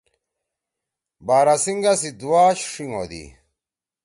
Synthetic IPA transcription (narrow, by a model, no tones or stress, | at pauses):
baːɾasiŋɡasid̪uwaːɕʂiŋo̰d̪ḭ